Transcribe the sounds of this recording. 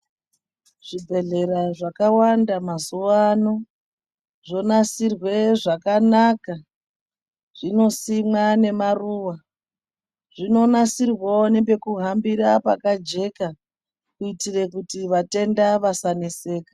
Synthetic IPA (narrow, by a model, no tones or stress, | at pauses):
ʐ̥ibʱe̞ɮe̞ɾaʐakawandamazuwano̞ | ʐo̞nasirwe̞ʐakanaka | ʐ̥ino̞simwane̞maruːwa | ʐ̥ino̞nasirwonibe̞kuɦambiɾapakad͡ʒe̞ka | kuitire̞kutiʋate̞ndaʋasanese̞ːkḁ